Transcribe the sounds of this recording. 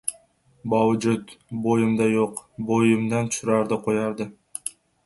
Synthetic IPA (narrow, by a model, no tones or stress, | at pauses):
bawd͡ʒʊt̪bojɪmd̪ajoqbojɪmd̪ant̪ʰʊ̥ʃʊɾaɾd̪ɪqʰojɑɾd̪ɪ